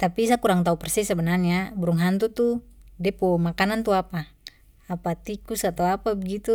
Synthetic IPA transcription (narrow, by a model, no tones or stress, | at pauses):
t̪apisakuɾaŋt̪aupɛrsisɛbɛnarɲabuɾuŋɦant̪ut̪udɛpɔmakanant̪uapaː | pat̪ikusat̪awapabɛɡit̪u